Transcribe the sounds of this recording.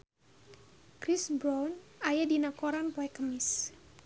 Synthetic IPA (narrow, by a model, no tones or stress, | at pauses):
kɾisbɾɔnajadinakoɾanpoɛkəmis